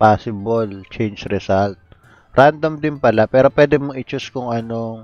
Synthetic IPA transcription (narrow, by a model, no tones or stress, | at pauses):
paːsɪbɐlt͡ʃɛjnd͡ʒɾɛsalt̪̚ | ɾand̪ɐmd̪ɪnpɐlapɛːɾopwɛːd̪ɛmʊŋɪt͡ʃʊskʊŋɐnoŋ